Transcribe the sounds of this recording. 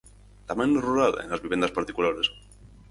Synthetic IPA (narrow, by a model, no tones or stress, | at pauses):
t̪amãnːoruɾalḛnlazβiβje̞nd̪aspaɾt̪ikulaɾes